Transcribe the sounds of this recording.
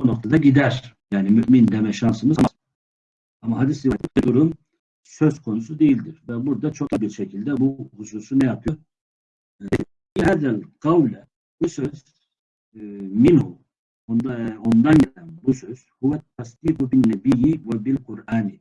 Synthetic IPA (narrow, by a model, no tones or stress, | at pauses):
ono̞k̚t̪ʰad̪aɟid̪æɾ̥jaːnimyʔmind̪emɛʃansɯmɯzma | amaɦad̪isivat̪ikɛd̪uɾum | sø̞z̥kʰo̞nusud̪e̞jilʲd̪iɾvɛbuɾd̪at͡ʃʰo̞kbiɾʃɛcʰilʲd̪ɛbuhusuːsunɛjapʰɯjoɾ | ihæd̪ælʲqɑwlɛ | b̥usøz̥ | minhu | ond̪o̞nd̪anɟɛlʲænbusøz̥huwɛt̪̚t̪ʰasd̪iːqubinːɛbijivɛbilqʰuɾaːni